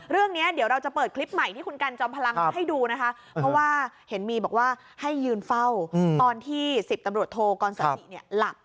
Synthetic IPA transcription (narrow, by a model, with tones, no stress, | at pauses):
ɾɯ˥˩əŋni˦˥ɐdi˨˩˦wɾa˧wt͡ɕa˨˩pɤː˨˩t̪̚kʰli˦˥p̚ma˨˩jt̪ʰiː˥˩u˧nka˧nt͡ɕɔː˧mpʰa˧la˧ŋ˧ɦa˥˩jduː˧na˦˥kʰa˦˥ | pʰɾɔ˦˥waː˥˩he˩˦nmiː˧bɔː˨˩k̚waː˥˩ | ha˥˩jːɯː˧nfa˥˩wt̪ɔː˧nt̪ʰiː˥˩si˨˩p̚t̪a˧mɾu˨˩ət̪ʰːoː˧kɔː˧nsa˧i˨˩ni˦˥˩əla˨˩p̚